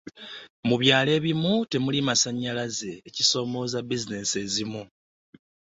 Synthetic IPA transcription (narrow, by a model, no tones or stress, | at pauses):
muβjaːle̞ːβimute̞mulimasaɲːalaze̞ːciso̞ːmo̞ːzabizine̞ːse̞ːzimu